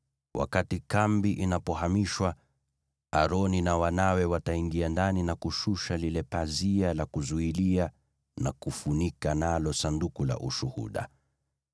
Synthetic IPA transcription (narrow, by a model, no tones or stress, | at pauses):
wʔa̰katikambiʔinapɔɦamiʃwa | aɾɔninawanawɛwataiŋɡiandaninakuʃuʃalilɛpazialakuzuilia | nakufunikanalɔsandukula̰ʔuʃuhṵɗa̰